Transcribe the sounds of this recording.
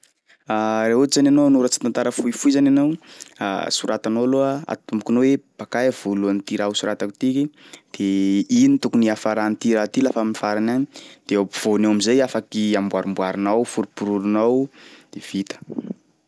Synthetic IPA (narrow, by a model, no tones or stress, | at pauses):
aɾeɦuizananonuɾət͡si̥t̪ant̪aɾəfuifuizananawa̰suɾʔat̪anoloaa̰t̪umukunoweb̥akajv̥uluanit̪iɾausuɾat̪akut̪iki | d̪̥einit̪ukuniafaɾant̪iɾat̪ilafamifaɾanaɲid̪̥eapiv̥onewamizajafakiambwaɾumbwaɾinawfuɾipuɾuɾunawd̪̥ev̥it̪ə̥